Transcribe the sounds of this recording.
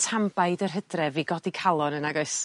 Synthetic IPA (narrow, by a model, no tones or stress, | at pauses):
tʰambajdərɦədrɛviɡɔdikʰalˠɔnənaɡoɨs